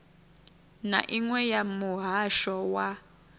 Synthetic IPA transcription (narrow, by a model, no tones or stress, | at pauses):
na̰ʔiŋwɛjamuɦaʃɔwa